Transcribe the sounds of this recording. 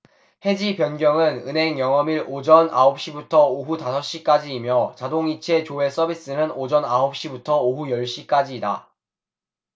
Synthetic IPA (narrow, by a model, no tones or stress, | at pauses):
he̞d͡ʑipjʌnɡjʌŋɯnɯnɦe̞ŋjʌŋʌmiɾod͡ʑʌnʔaop̚ɕ͈ibutʰʌoɦutasʰʌɕ͈ik͈ad͡ʑiːmjʌt͡ɕadoŋit͡ɕʰe̞t͡ɕoe̞s͈ʌbʱis͈ɯnɯnod͡ʑʌnaɦop̚ɕ͈ibutʰʌoɦujʌɭɕ͈ik͈ad͡ʑiːda